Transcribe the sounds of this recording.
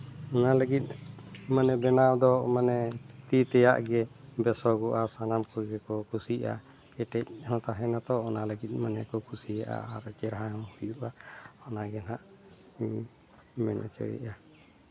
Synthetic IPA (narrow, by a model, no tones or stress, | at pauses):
ɔnaləɡit̪̚manɛbɛnawd̪ɔmanɛt̪it̪ɛja̰ʔɡɛbɛsɔɡɔʔasanamkɔɡɛkɔkʰusiʔa̰ | kɛʈɛc̚hɔ̃t̪aɦɛnat̪ɔɔnaləɡit̪̚ˀmanɛkɔkʰusija̰ʔa̰aɾt͡ʃɛɾɦajɔ̃hujuʔaɔnaɡɛnaʔ | mɛ̰nʔɔ̰t͡ʃɔ̰jɛ̰ʔa